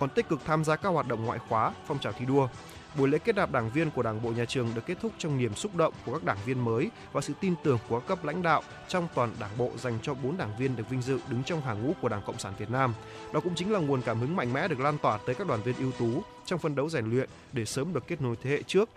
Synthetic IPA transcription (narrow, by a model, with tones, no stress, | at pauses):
kɔ˨˩nt̪i˦˥k̟kɨ˨˩k̚t̪ʰaː˧mzaː˧kaː˦˥k̚waː˨˩t̚ɗə̰˧˨ŋ͡mŋwa̰ː˧˨jxwaː˨˦fɔ˧wŋ͡mt͡ɕaː˨˩wt̪ʰi˧ɗu˧ə | ɓu˧˩jlḛ˧˥ke˦˥t̚ɗaː˨˩ɗaː˧˩ŋvi˧ənku˧˩əɗaː˧˩ŋɓo̰˧˨ɲaː˨˩t͡ɕɨ˨˩əŋɗɨ˨˩kːe˦˥t̚t̪ʰʊ˦˥k͡p̚t͡ɕɔ˧wŋ͡mni˨˩əmsʊ˦˥k͡p̚ɗə̰˧˨wŋ͡mku˧˩əkaː˦˥k̚ɗaː˧˩ŋvi˧ənməː˨˦j | vaː˨˩sɨ̰˧˨t̪i˧nt̪ɨ˨˩əŋku˨˩kaː˦˥kːə˦˥p̚la̰˧˥jŋ̟ɗa̰ː˧˨w | t͡ɕɔ˧wŋ͡mt̪waː˨˩nɗaː˧˩ŋɓo̰˧˨za˨˩jŋ̟t͡ɕɔ˧ɓo˨˦nɗaː˧˩ŋvi˧ənɗɨ˨˩ək̚vi˧ŋ̟zɨ̰˧˨ɗɨ˨˦ŋt͡ɕɔ˧wŋ͡mɦaː˨˩ŋṵ˧˥ku˧˩əɗaː˧˩ŋkə̰˧˨wŋ͡msaː˧˩nvi˨˩ət̚naː˧m | ɗɔ˨˦kʊ̰˧˥ŋ͡mt͡ɕï˨˦ŋ̟laː˨˩ŋu˨˩ənkaː˧˩mhɨ˨˦ŋma̰˧˨jŋ̟mɛ̰˧˥ɗɨ˨˩ək̚laː˧nt̪waː˨˩t̪əː˨˦jkaː˦˥k̚ɗwaː˧˩nvi˧ənʔi˧wt̪u˨˦ | t͡ɕɔ˧wŋ͡mfə˧nɗə˨˦wza˨˧˩jŋ̟lwḭ˧˨ən | ɗe˧˩səː˨˦mɗɨ˨˩əkːe˦˥t̚no˨˦jt̪ʰe˨˦hḛ˧˨t͡ɕɨ˦˥ək̚